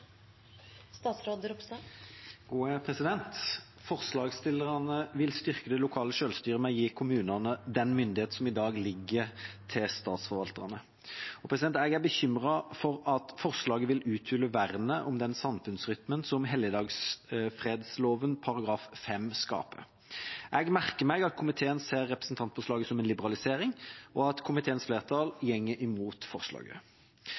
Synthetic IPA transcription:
st̪ɑːt̪sɾod̪əɾʊpst̪ɑɡ̥uːəpʰʁɛsɪd̪ɛnt̪ | fɔʁslɑːɡst̪ɪlːəʁɑnəʋɪlst̪ʏʁkəd̪ɛlʊkʰɑːləʃøːlst̪yːʁəmɛɔjiːkʰʊmʉːnɑnəd̪ɛnmʏnd̪ɪheːt̪n̩sɔmɪd̪ɑːɡlɪɡːəɾt̪ʰɪlst̪ɑːt̪sfɔɾʋɑlt̪ɑnə | ɔpʰʁɛsd̪ɛnt̪æɡæbəçʏmʁɑfɔɾɑt̪fɔʁʂlɑːɡəʋɪlʉːt̪ʰʏːlːəʋæʁnəʔɔmd̪ɛnsɑmfʉnsʁʏt̪mənsɔmɦɛljəd̪ɑːɡsfʁeːd̪sloːʋənpʰɑɾɑɡɾɑːffɛmskɑ̰ːpə̰ɾ | ʔɛɡmæʁkəmæɪɡɑt̪̚kʰʊmɪt̪ʰeːənseːʁːɛpʁəsn̩t̪ʰɑnt̪fɔʂlɑːɡəsɔmɛnlɪbəʁɑlɪseːɾɪŋʔɔɑt̪kʰʊmɪt̪ʰeːənsfleːʁt̪ʰɑljɛŋːəʔɪmuːt̪fɔʁʂlɑ̰ːɡə̰

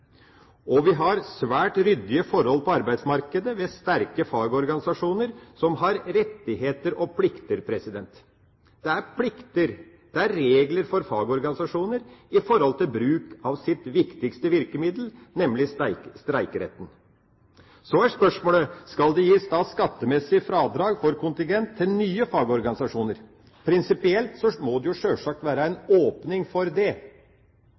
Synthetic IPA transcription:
ɔʋɪɦɑɾsʋæːʈɾʏd̪ːɪəfɔɾhɔlːpʰɔɑɾbæɪsmɑɾkəd̪əʋɛst̪æɾkəfɑːɡɔɾɡɑnɪsɑʂuːnəɾsɔmɦɑɾɾɛt̪ːɪɦeːt̪əɾɔpʰlɪkt̪əɾpʰɾɛsɪd̪ɛnt̪ | d̪̥ɛæɾpʰlɪkt̪əɾ | d̪̥ɛæɾeːɡləɾfɔɾfɑːɡɔɾɡɑnɪsɑʂuːnəɾɪfɔɾhɔlt̪ʰɪlbɾʉːkɑʋsɪt̪ʋɪkt̪ɪkst̪əʋɪɾkəmɪd̪l̩nɛmlɪst̪ɾæɪkəɾɛ̰t̪ən̩ | sɔæʂpœʂmoːləskɑld̪ɛjiːst̪ɑːskɑt̪ːəmɛsːɪəfɾɑːd̪ɾɑːɡfɔɾkʰʊnt̪ɪŋɡɛnt̪ʰːɪlnyːəfɑːɡɔɾɡɑnɪsɑʂuːnəɾ | pʰɾɪnsɪpɪɛlt̪sɔmɔd̪ɛjʊʂøːlʂɑk̚t̪ʋæːɾəæɪnoːpnɪŋfɔɾd̪ɛ

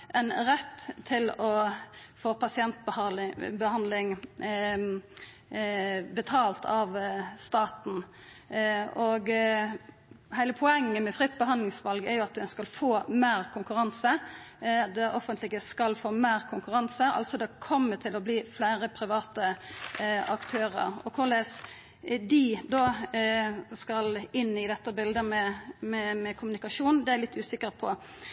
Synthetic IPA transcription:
ʔɛnɾɛt̪ʰːɪlɔfoːpʰɑsɪɛnt̪bbəhɑnlɪŋ | bət̪ʰɑːlt̪ʰɑʋst̪ɑːt̪n̩ | ɔɡ | hæɪləpʰɔɛŋːəmɛfʁɪt̪ːbəhɑnlɪŋsʋɑlɡɛɾjʊɑt̪̚d̪ɛnskɑlfoːmeːɾkʰʊŋkʉɾɑnsə | d̪ɛʔɔfənt̪lɪɡəskɑlfoːmeːɾkʰʊŋkʉʁɑnsəɑ̰lt̪sɔd̪ɛkʰɔmːət̪ʰɪlɔbliːflæɪʁəpʰɾɪʋɑːt̪ə | ɑkt̪ʰøːʁə̰ɾɔ̰kʰʊʁles | d̪ɪd̪oː | skɑlɪnːɪd̪ɛt̪ːəbɪld̪əmɛmɛmɛkʰʊmʉnɪkɑʂuːnn̩d̪ɛæɾlɪt̪ːʉːsɪkəʁpʰɔ

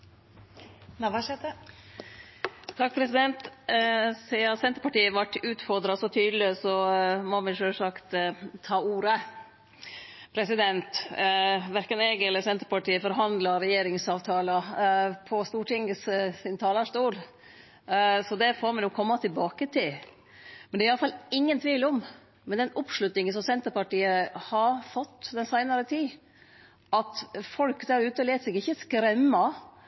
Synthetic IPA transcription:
nʋɑʂɛd̪ə | t̪ʰɑk̚pʰɾɛsɪd̪ɛnt̪ | siɑsɛnt̪əɾpɑʈiːəʋɑʈːʉːt̪fɔɾd̪ɾɑsɔt̪ʰyːd̪lɪsɔmɔmɛʂøːlsɑkt̪t̪ʰːɑːuːɾə | pʰɾɛsɪd̪ɛnt̪ | ʋæɾkənɛɡɛlːəɾsɛnt̪əɾpɑʈiːəfɔɾɦɑnd̪lɑɾɛjeːɾɪŋsɑːʋt̪ʰɑːlɑpʰɔst̪uːʈɪŋəssɪnt̪ʰɑːləʂʈuːl | sɔd̪ɛfoːɾmɛnjʊkʰːɔmːɑt̪ʰɪlbɑːkət̪ʰɪl | mɛnd̪ɛæɾɑlːəfɑlɪŋːənt̪ʰʋiːlʊm | mɛnd̪ɛnʊpʂlʉt̪nɪŋənsɔmsɛnt̪əɾpɑʈiːəhɑɾfɔt̪ːd̪ɛnsæɪnɑɾət̪ʰiː | ʔɑt̪fɔlkd̪æɾʉːt̪əleːt̪sɛɡɪçːəskɾɛmːɑ

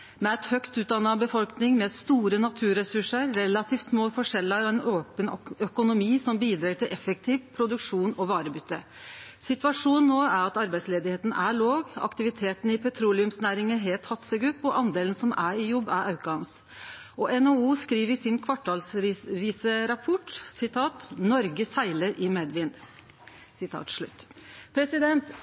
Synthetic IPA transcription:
mɛɛt̪hœkt̪ʉːt̪d̪ɑnːɑbəfɔlknɪŋmɛst̪uːɾənɑt̪ʰʉːɾɛsʉʂəɾɾɛlɑt̪ʰiːft̪smoːfɔʂɛlːəɾɔɛnoːpənœkʊnʊmiːsɔmbiːd̪ɾɑːʈ̪ɪlʔɛfək̚t̪ʰiːʋpʰɾʊd̪ʉkʂuːnɔʋɑːɾəbʏt̪ːə | sɪt̪ʋɑʂuːnnːoːæɾɑt̪ɑɾbæɪt̪sleːd̪ɪheːt̪n̩æɭoːɡɑ̰kt̪ɪʋɪt̪ʰeːt̪n̩ɪpʰɛt̪ʰɾuːlɪʉmsnæːɾɪŋəɦeːlt̪hɑt̪səɡʉpːɔʔɑnd̪eːlənsɔmʔæɾɪjɔbːæ̰ɾɑʉkɑɑns | ʔɔʔɛnouːskɾiːʋəsɪnkʰʋɑʈʰːɑlsʋiːsəɾɑpʰɔʈsɪt̪ʰɑːt̪nɔɾɡəsæɪləɾʔɪmeːd̪ʋɪnd̪ | sɪt̪ʰɑ̰ːt̪ʂɭʉ̰t̪ːpʰɾɛsɪd̪ɛnt̪

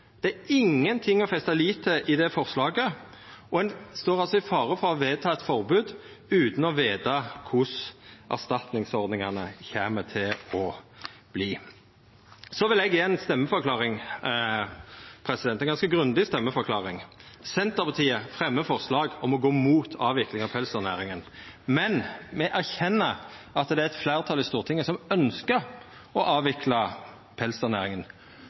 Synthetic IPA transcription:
d̪̥ɛæɪŋːənt̪ʰɪŋːɔfɛst̪ɑliːt̪ʰəʔɪd̪ɛfɔʁslɑːɡə | ʔɔɛnst̪oːʁɑlsɔɪfɑːʁəfɔʁɔʋeːt̪ʰɑːɛt̪fɔʁbʉːd̪ʉːt̪n̩ɔʋeːt̪ɑkʰʊsʔæ̰ʁst̪ɑt̪nɪŋsɔʁd̪nɪŋɑnəçeːmət̪ʰɪlɔb̥liː | sɔʋɪlɛɡjːɛnst̪ɛmːəfɔʁkʰlɑːʁɪŋ | pʰɾɛsɪd̪ɛnɛnŋɡɑskəɡʁʉnd̪ɪst̪ɛmːəfɔʁkʰlɑːʁɪŋsɛnt̪əʁpɑt̪ʰiːəfʁɛmːəfɔʁslɑːɡɔmɔɡoːmuːt̪ʰɑːʋɪklɪŋɑpʰɛlsənæːɾɪŋənmɛnmɛʔæʁçɛnːə | ʔɑt̪d̪ɛæɾɛt̪flæːʁt̪ʰɑlɪst̪uːʁt̪ʰɪŋːəsɔmœnskəɾ | ɔʔɑːʋɪkʰlɑ | pʰɛlsəʁnæːɾɪŋən

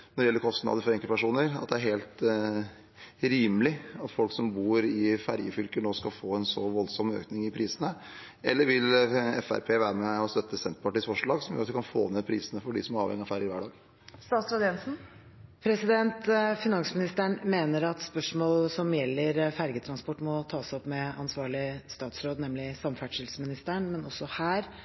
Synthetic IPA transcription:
nɔd̪ɛjɛlːəkʰɔst̪nɑ̰ːd̪əɾfɔɾɛŋkəpʰæʂuːnəɾɑ̰t̪̚d̪ɛæɾɦeːlt̪ | ɾiːmlɪɑt̪fɔlksɔmbuːɾɪfæɾjəfʏlkənoːskɑlfoːɛnsɔʋɔlsɔmø̰ːknɪŋɪpʰɾiːsənə | ɛlːəɾʋɪlɛfæ̰ɾpʰeːʋæːɾəmɛɔst̪œt̪ːəsɛnt̪əpɑʈiːsfɔʂlɭɑːɡsɔmjø̰ːɾɑt̪ʋɪkʰɑnfo̰ːneːpʰɾiːsənəfɔɖɪsɔmæɾɑːʋhɛ̰ŋːɪɑʋfæɾjəɾʋæɖɑːɡ | st̪ɑːt̪sɾɑd̪ɪɛnsn̩ | pʰɾɛsɪd̪ɛnt̪fɪnɑnsmɪnɪst̪əɳmeːnəɾɑt̪spœʂmoːlsɔmjɛlːəɾfæɾɡət̪ʰɾɑnspɔʈːmɔt̪ʰɑːsɔpmɛɑnsʋɑːɭɪst̪ɑːt̪sɾoːd̪nɛmlɪsɑmfæʈʂɪlsmɪnɪst̪əɳmɛnɔsːɔhæːɾ

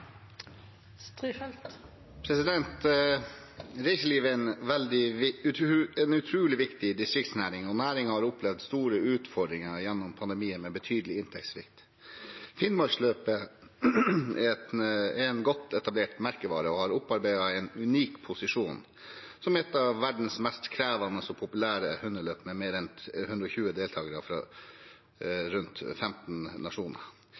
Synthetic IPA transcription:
st̪ɾiːfɛlt̪ | pʰɾɛsɪd̪ɛnt̪ | ɾɛɪsəliːʋəæɪnʋɛld̪ɪ | ɛnʉt̪ʰɾuːlɪʋɪkt̪ɪd̪ɪst̪ɾɪk̚t̪snæːɾɪŋɔnæːɾɪŋəhɑɾɔpʰlɛʋd̪st̪uːɾəʉːt̪fɔɖɾɪŋəjɛnːʊmpʰɑnd̪ɛmiːənmɛbət̪ʰyːd̪əlɪɪnt̪ʰɛksʋɪ̰kt̪ | fɪnmɑɾsløːpə | ɛɛnɡɔt̪ʰːɛt̪ɑbleːʈmæɾkəʋɑːɾəɔhɑɾʊpːɑɾbæɪd̪ɑɛɪnʉniːkpʰʊsɪʂuːn | sɔmɛt̪ːɑʋːæɖn̩smɛst̪kʰɾæːʋɑnəsɔpʰʊpʉlæːɾəhʉnːəɭøːpmɛmeːɾɛnt̪hʉnd̪ɾɔçʉːəd̪eːlt̪ʰɑːɡəɾəfɾɑ̰ | ɾʉnt̪fɛmt̪n̩nɑʂuːnə̰ɾ

